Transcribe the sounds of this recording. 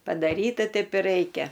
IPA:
pɐdɐˈrʲiːtɐ ˈtʲɛɪp ɪ ˈrɐɪkʲɛ

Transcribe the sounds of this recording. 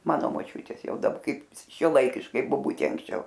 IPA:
ˈmɑːnoː moːˈt͡ʃʲʊtʲeːs ˈjɛʊ dɐˈbɐ ˈkɐɪp ʃʲuɔˈlˠɐɪkʲɪʃkɐɪ boːˈbʊtʲeː ɐŋksʲˈt͡ʃʲɛʊ

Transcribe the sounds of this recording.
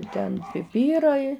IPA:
ˈtʲɛn pʲɪˈpʲiːrɐɪ

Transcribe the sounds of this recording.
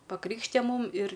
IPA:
pɐˈkrʲiːkʃʲtʲɪjɛ ˈmuːm ɪr

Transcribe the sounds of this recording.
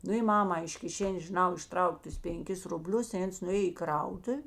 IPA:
ˈnʊ ɪ ˈmɑːmɐ ɪʃ kʲɪˈʃʲæːnʲeːs ʒʲɪˈnɐʊ ɪʃˈtrɐʊkʲ ˈtʊs pʲɛŋʲˈkʲɪs rʊˈbʲlʲʊs ɪ ˈɐns nʊˈeːj ɪ ˈkrɐʊtʊw

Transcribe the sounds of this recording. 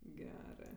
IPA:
ˈɡʲæːrɜ

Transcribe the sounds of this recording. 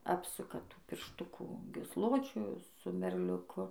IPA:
ˈɑːpsʊkɐ ˈtuː pʲɪrʃˈtʊkuː ɡʲiːsˈlˠoːt͡ʃʲʊ sʊ mʲɛrʲlʲʊˈkʊ

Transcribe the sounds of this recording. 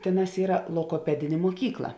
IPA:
ˈtʲeːˌnɑːs ˈiːrɐ lˠoːɡoːˈpʲæːdʲɪnʲeː muɔˈkʲiːklˠɐ

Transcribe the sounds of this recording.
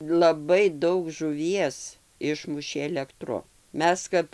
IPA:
lˠɐˈbɐɪ ˈdɐʊk ʒʊˈʋʲiɛs ˈɪʃmʊʃʲeː ɛlʲɛkˈtrʊ ˈmʲɛs kɐp

